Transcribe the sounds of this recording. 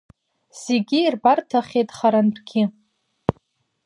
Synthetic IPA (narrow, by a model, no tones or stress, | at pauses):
z̥eɡʲiːrbartʰaχʲejtʼχaɾanbʰɡʲɪ